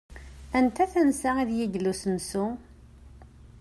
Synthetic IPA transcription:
ænt̪æθænsæiðjiɡlusənsu

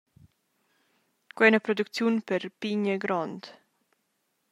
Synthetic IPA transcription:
kwɛnəpɾɔd̪ukt͡sjunpɛɾpiɲəɡɾɔnd̪

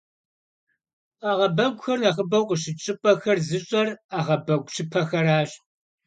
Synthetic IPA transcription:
aːʁɐbɐɡʷʊxɐrnɐχəbɐwqəɕ̬ɪt͡ʃʼɪpʼɐxɐrzɨɕʼɐraːʁɐbɐɡʷʼɕʰɪpʰɐxɐɾaːɕʼ

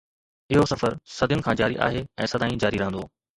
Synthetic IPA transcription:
ɪɦosɐfəɾsɐd̪ʱɪjʊnɪ̆kʰãːd͡ʑaːɾiʔa̰ːɦeɛ̃ːsɐd̪ʱaːĩd͡ʑaːɾiɾɐɦə̃nd̪o̰ː

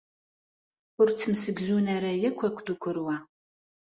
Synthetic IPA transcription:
ʊrtʰɨmsɨɡzuːnɐɾɐjɛkʷʰɐkʷʰdukʷʰʊɾwaː

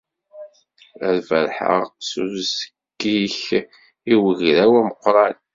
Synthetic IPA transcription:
æɾvəɾħə̰ʁsuzə̥ | ɡːiç | iwəʝɾæwæməqːɾˤɑn

